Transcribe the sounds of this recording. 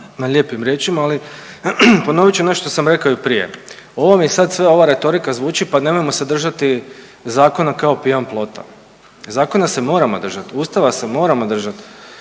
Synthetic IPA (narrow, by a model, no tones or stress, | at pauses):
naʎe̞ːpimɾje̞t͡ʃimaːli | po̞no̞ʋit͡ʃune̞ʃt̪osamɾe̞kaoipɾije̞̰ | o̞ʋo̞miesad̪sʋe̞o̞ʋaɾe̞t̪o̞ɾikazʋuːt͡ʃipane̞mojmo̞sed̪r̩ʒat̪i | zaːko̞nakaopiamplˠo̞t̪a̰ | zaːko̞nase̞mo̞ːɾamod̪r̩ʒat̪uːst̪aʋase̞mo̞ːɾamo̞d̪r̩ʒat̪